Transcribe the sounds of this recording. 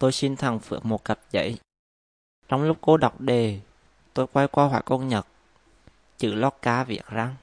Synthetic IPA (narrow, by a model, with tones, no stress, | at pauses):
t̪o˧jsi˧nt̪ʰa˨˩ŋfɨ˨˩ək̚mo˨˩t̚kə˨˩p̚zə̰˧˥j | t͡ɕɔ˧wŋ͡mlʊ˦˥k͡p̚ko˨˦ɗa˨˩wk͡p̚ɗe˨˩ | t̪o˧jkwa˧jkwaː˧hwa̰ː˧˩jko˧nɲə˨˩t̚ | t͡ɕɨ̰˧˩lɔ˦˥t̚kaː˨˧˦vḭ˨˩ək̚za˧ŋ